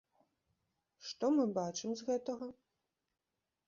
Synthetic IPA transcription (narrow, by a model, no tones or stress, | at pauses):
ʂt̪ɔmɨbat͡ʂɨmzɣɛt̪ɐɣɐ